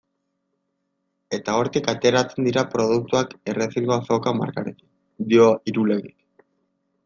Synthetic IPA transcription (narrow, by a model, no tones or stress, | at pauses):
e̞t̪ao̞ɾt̪ikat̪e̞ɾat͡se̞nd̪iɾapɾo̞ð̞uk̚t̪uake̞resiŋɡoasakama̰ɾkaɾeki̥ | d̪io̞iɾule̞ɣik